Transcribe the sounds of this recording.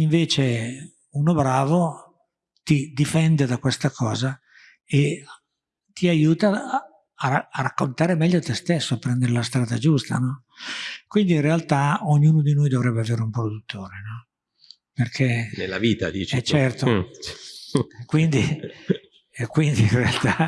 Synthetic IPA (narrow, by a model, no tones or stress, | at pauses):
iɱveːt͡ʃe | unobɾaːvo | t̪id̪ifɛnd̪ed̪akwest̪akʰɔːza | e | t̪iajuːt̪aː | rakːont̪aːɾemɛʎːoat̪ɛst̪esːoapːɾɛnd̪eɾelast̪ɾaːd̪ad͡ʒust̪a̰nɔ | kwind̪iinrealt̪aoɲːuːnod̪inojd̪ovɾɛbːeaveːɾeumpɾod̪ut̪ʰːoːɾenɔ | perkʰenelːa̰viːt̪a̰d̪it͡ʃɛt͡ʃːɛrt̪o | kwind̪i | kwind̪iinrealt̪a